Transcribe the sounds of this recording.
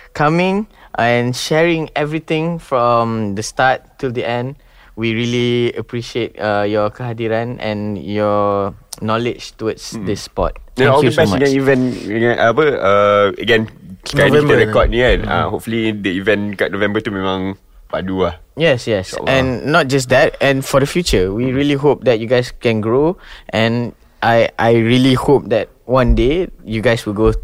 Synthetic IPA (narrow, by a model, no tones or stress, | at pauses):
kʰamɪ̃ŋʔɛ̃nʃɛɹɪ̃ŋɛvɹit̪ɪ̃ŋfɹɔ̃md̪əstat̚ːʰɪldiʔɛ̃nd | wiɹiliəpɹiʃiet̚ʌjɔkəɦadiɹãnɛ̰̃njɔ | nɔlɪd͡ʒtuwətsdɪspɔ̰t̚ɛ̃nɔldəbɛsmaɡɛ̃nivɛ̃nəɡɛ̃nʔabəaə̰ɡɛ̃nãitəɹɛkɔd̚niɛna̰hopfəlĩndəivɛ̃nɡɔʔ̚novɛ̃mbətumɛ̃mãŋ | badua | jɛsjɛsɛ̃nːɔt̚d͡ʒas̬d̪ɛt̚ɛ̃nfɔɾəfjut͡ʃəwiɹiliɦop̚d̪ɛt̚juɡaɪskɛ̃nɡɹoʔɛ̃n | ʔajʔajɹilihop̚d̪ɛt̚wãndejuɡaɪswilɡo